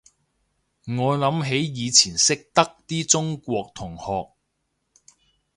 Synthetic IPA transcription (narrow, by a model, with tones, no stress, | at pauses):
ŋɔː˨˧jlɐ˨˧˥mɦe˨˥jjiː˨˧t͡sʰiː˨˩nsɪ˥k̚t̪ɐ˥k̚t̪iː˥t͡sʊ˥ŋkʷɔː˧k̚t̪ʰʊ˨˩ŋhɔː˨k̚